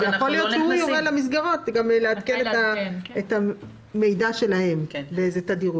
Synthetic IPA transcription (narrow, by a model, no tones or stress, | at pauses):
zejaχolijo̞t̪ʃehujoʁelamis̬ɡaʁo̞t̪ɡamleat̪kenet̪aeta | me̞jdaʃelahe̞mleezet̪adiʁu